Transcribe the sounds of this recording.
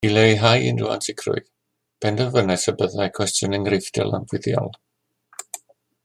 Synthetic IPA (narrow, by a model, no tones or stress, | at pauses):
ilejɦajɪ̰nrua̰ntʰɪkʰrʊ̰j | b̥ʰɛndəvənɛsəbəðajkʰw̥ɛstjʊnɛŋrejθdɛ̰lˠa̰nbwɪðjɔ̰lˠ